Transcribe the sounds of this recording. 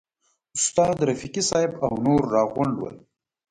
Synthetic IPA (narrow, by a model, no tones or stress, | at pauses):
ʊst̪ɑːd̪ɾafikisɑːɪbawnoɾːɑːɣʊɳlwə̰l